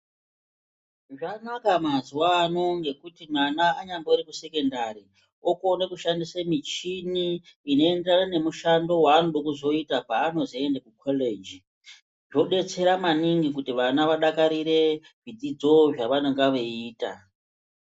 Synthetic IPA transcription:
ʐanakamaziwaːno̞ŋɡe̞kutimanaːɲandoɾikuse̞ke̞ndaɾi | okonekuʃandisamit͡ʃiniːno̞enderanane̞muʃando̞waːnoɗokuzo̞itapaːno̞zaendakukʰoled͡ʒi | ʐo̞ɗe̞t͡se̞ɾamaniŋɡik̬utiʋanaʋaɗakaɾiɾe̞ | vidid͡zo̞ʐaʋanoŋɡaʋeiːta̰

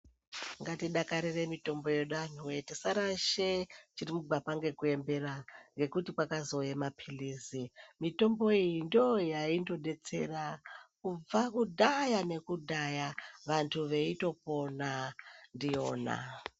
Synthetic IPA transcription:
ŋɡatiɗakaɾiremito̞mbo̞jeɗan̤uwetisaɾaʃet͡ʃirimuɡ͡bʱapaŋɡe̞kue̞mbe̞raŋɡe̞kutikwakazo̞jemapʰiliːzimito̞mbo̞ijindojaindo̞ɗe̞t͡se̞rakub͡vakudʱajane̞kudʱajaʋantʰuʋe̞ito̞po̞nandijo̞ːna̰

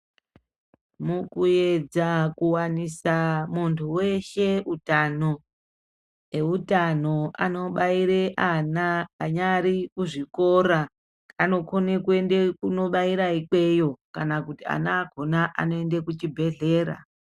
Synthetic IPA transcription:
mukuje̞d͡zakuwanisamuntʰuwe̞ʃe̞utano̞ | e̞utano̞a̰no̞ɓaiɾeʔanaːɲaɾikuʐiko̞ɾa | ano̞konekue̞ndekuno̞ɓaiɾaike̞jo̞kanakutia̰naːɡʱo̞naʔa̰no̞ende̞kut͡ʃibʱe̞ɮe̞ːɾa̰

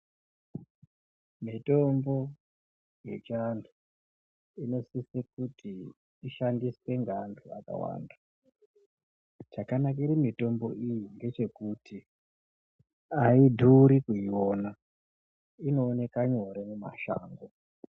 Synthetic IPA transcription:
mito̞mbo̞ | je̞t͡ʃantʰu̥ | ino̞sisekutʰiː | ʃandiswe̞ŋɡantʰua̰ka̰wa̰ːnda | t͡ʃakanakairimito̞mbo̞ʔijiŋɡe̞t͡ʃe̞kutʰi | aidʱuɾikuiwona | ino̞ːne̞kaɲo̞ɾemuma̰ʃa̰ːŋɡo

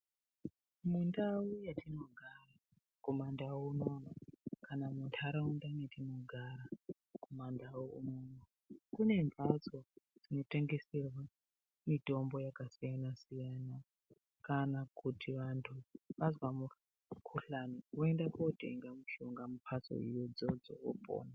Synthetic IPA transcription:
mundawujatino̞ɡʱara | ko̞mandawuno̞nakanamuntʰaɾaundaunatino̞ɡʱaɾa | komandawoṵnoːna | kune̞ɱvʱat͡so̞d͡zino̞te̞ŋɡe̞serwa | mito̞mbo̞jakasijanasijana | kanakutʰiʋantʰuʋazwamu | kʰuɬaniuendakote̞ŋɡamuʃoŋɡamupʰat͡so̰ḭjod͡zod͡zo̰wo̰po̰ːna

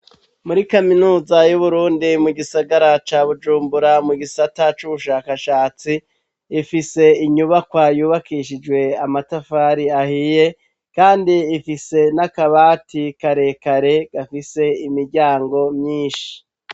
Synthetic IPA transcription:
muɾikaminuːzajuβuɾuːndimuɡisaɡaɾat͡ʃaːβud͡ʒuːmbuɾamuɡisatat͡ʃuβuʃaːkaʃaːt͡siː | fise̞iɲuβakwajuːβakiʃid͡ʒwe̞amatafaːɾiahiːje̞ | kaːndiːfise̞nakaβaːtikaɾe̞kaɾe̞ɡ̥afise̞imiɾɟaːŋɡo̞mɲiːnʃi̥

